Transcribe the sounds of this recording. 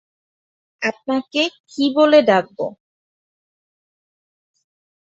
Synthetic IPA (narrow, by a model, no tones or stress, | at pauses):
ap̚nakekiboled̪aɡ̚bo̰